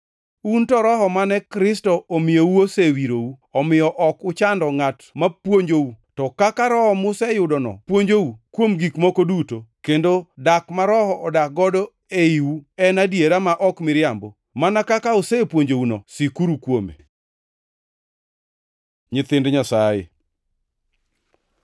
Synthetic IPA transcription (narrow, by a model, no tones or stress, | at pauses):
untɔɾɔɦɔmanɛkɾɪstɔomɪjouosewiɾouɔmɪjɔʔɔkʊt͡ʃandɔŋatmapwoɲd͡ʒoutɔkakaɾɔhɔmʊsɛjʊdɔnɔ̰pwoɲd͡ʒowukwomɡikmɔkodutokendodakmaɾɔhɔʔɔdak̚ɡɔdɔ | eiwuɛnadjeɾamaʔɔkmɪɾjambo | manakakaosepwoɲd͡ʒowunɔsikuɾukwomḛ | ɲɪt̪ɪndɲasajḛ